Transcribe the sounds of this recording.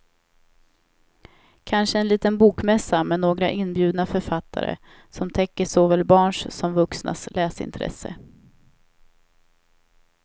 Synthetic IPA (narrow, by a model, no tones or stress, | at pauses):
kʰanʂəɛnliːt̪ənbuːkmɛsːamɛnoːɡɾaʔɪnːbjʉ̟ːd̪nafœɾfat̪ʰːa̰ɾə̰ | sɔmt̪ʰɛkːəsoːvɛlbɑːɳʂsɔmvɵksna̰slʔɛːsɪ̰nt̪ʰɾɛ̰sə̰